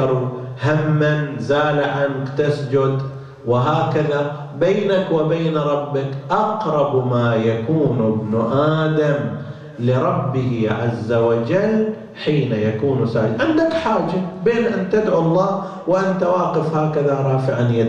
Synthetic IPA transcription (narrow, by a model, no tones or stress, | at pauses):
ɾˤuhamːanzaːlɪʕankt̪ɪsd͡ʒʊd̪ | wɪɦaːkaða | beːnakwɪbeːnɾˤɑbːɪkʔɑqɾˤɑbmaːjakuːnɪbnʔaːd̪am | lɪɾˤɑbːɪhiʕazːawad͡ʒalː | ħiːnajakuːnsa̰ːɪd̪ʕɪnd̪akħaːd͡ʒabeːnʔant̪ɪd̪ʕuɑlˤːɑː | wɪʔant̪awaːqɪfhaːkaðaɾˤɑːfɪʕanjad̪